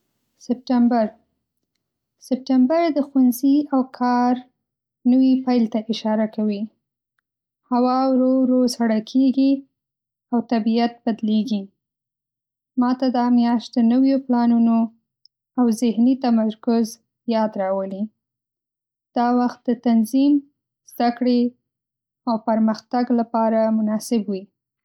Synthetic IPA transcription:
sɪp̚ʈambaɾ | sɪp̚ʈambaɾd̪əxwanziawkʰɑɾ | nəwipajlt̪aʔɪʃɑɾakawi | hawɑwɾoɾozhaɽakʰeɡi | awt̪abijat̪̚bad̪leɡi | mɑt̪ad̪ɑmjɑʃt̪̚d̪ənəwjoplɑnuno | awzɪhnit̪amaɾkʊz | jɑd̪ɾɑwəli | d̪̥ɑwaxt̪̚d̪ət̪anzim | z̥d̪akɽe | awpaɾməxt̪aɡlapɑɾamʊnɑsɪbwi

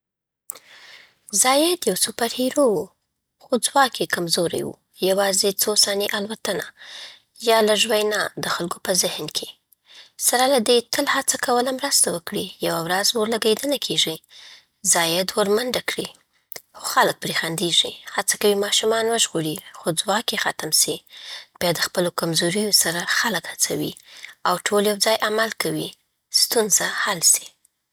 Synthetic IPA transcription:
zɑjed̪jawsopaɾhiɾowu | xod͡zwɑkekamzoɾa̰jwṵ | jawɑzet͡sosɑniʔalwat̪əna | jɑlaʒwajnɑd̪əxalkopəzɪhnkʰe | saɾalad̪et̪əlhat͡sakawəlamɾəst̪awəkɽijawawɾazwoɾlaɡed̪ənakʰeʐi | zɑjad̪waɾmənd̪akɽi | xoxalək̚pɾexand̪eʒihat͡sakawimɑʃumɑnwəʒɣoɽixod͡zwɑkexat̪amsib̥jɑd̪əxpəlokamzoɾijosaɾaxaləkhat͡sawḭawʈʰoljawd͡zɑjʔamalkawi | st̪unzahalsi̥

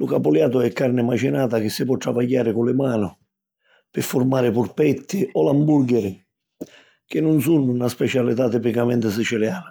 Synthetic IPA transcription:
lʊkapʊljaːt̪̬ʊɛkːarnɪmat͡ʃɪnaːt̪ak̟ɪsːɪpwɔt̪ːɾavaʎːaːɾɪkʊlɪmaːnʊ | pɪfːʊɾmaːɾɪpʊɾpɛt̪ːɪɔlambuɾɡɛɾɪ | k̟ɪnːʊnsunːʊunaspɛt͡ʃalit̪at̪ːipikamɛnt̪ɪs̬ɪt͡ʃɛljaːna

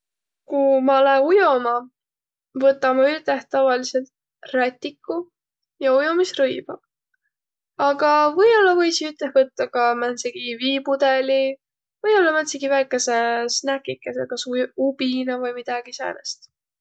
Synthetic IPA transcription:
kumɑleujo̞mɑ | vɤt̪ːˑɑmɑyt̪eht̪ɑvɑlise̞lt̪ | ræt̪ʲːˑikːu | jɑujomisrɤjb̥ɑ | ɑɡ̥ɑvɤ̞jo̞lːɑvɤjsiyt̪ˑehvɤt̪ːɑkɑmænsiɡ̥iviːpud̪̥eli | vɤjo̞lːɑmænsiɡivæjkːˑesesnækːˑikːˑesekɑsub̥inɑvɯjmid̪̥ɑɡ̥isæ̰ːɾest̪

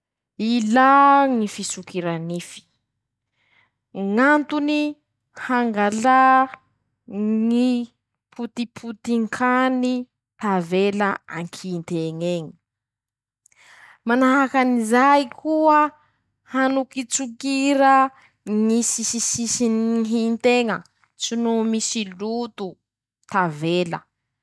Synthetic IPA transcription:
ilaŋifisukiɾanifi̥ | ŋant̪uni | haŋɡala | ŋi | pʰut̪ipʰut̪iŋkʰani | t̪avelaaŋkʰint̪eŋeɲi̥ | manaɦakanizajkʰuə | hanukit͡sukiɾə | ŋisisisisinɦint̪eŋə | t͡sinumisilut̪u | t̪avelə̰

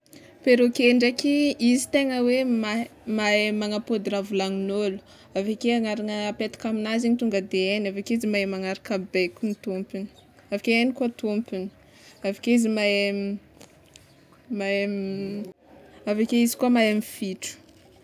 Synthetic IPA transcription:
peɾokeɳɖ͡ʐakiizi̥t̪eŋəwemamaemaŋapod̪iɾavulaŋinolu̥ | avakeaŋaɾanəpet̪ḁkaminaziɲit̪uŋɡəd̪eenavakeizimaemaŋaɾakabekunit̪umpini̥ | avakeenikuat̪umpini̥ | avakeizimae | maem | avakeizi̥kuamaamifiʈ͡ʂu̥

